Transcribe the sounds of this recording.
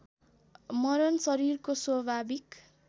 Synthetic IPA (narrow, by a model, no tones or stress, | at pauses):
mʌɾʌnsʌɾirkoswʌbʱabik